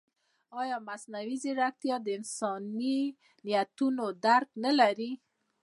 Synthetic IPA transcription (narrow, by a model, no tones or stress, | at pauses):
ɑjɑmasnawizeɾak̚t̪ijɑd̪əɪnsɑni | nijat̪unod̪aɾknalaɾi